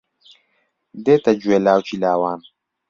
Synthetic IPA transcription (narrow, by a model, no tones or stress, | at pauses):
d̪eːt̪ɐd͡ʒueːlaːwt͡ʃilaːwaːn